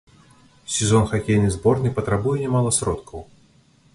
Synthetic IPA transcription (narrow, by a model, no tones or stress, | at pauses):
sʲɪzɔnxakʲejnɨjzbornɨjpət̪ɾabujɛnʲɪmalˠəsɾɔt̪kʰəw